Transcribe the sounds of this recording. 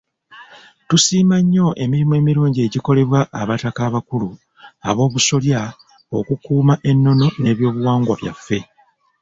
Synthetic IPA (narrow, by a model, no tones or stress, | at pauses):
tusiːmaɲːo̞ʔe̞miɾimue̞ːmiɾuːɲɟie̞ɟiko̞le̞βwaʔːβatakaːβakulu | a̰βo̞ːβuso̞lja | o̞kukuːmaʔe̞nːo̞no̞ne̞ːβjo̞ːβuwaːŋɡwaβja̰fːe̞